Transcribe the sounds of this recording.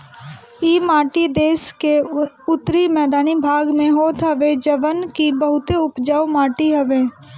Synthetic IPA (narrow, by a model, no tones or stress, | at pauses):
iːmaːʈid̪eːske | ʊt̪ːɾimɛːd̪aːnibʱaːɡmẽɦoːt̪ɦɐʋed͡ʒəʋənkibəɦʊt̪eʊpd͡ʒawmaːʈiɦɐʋeː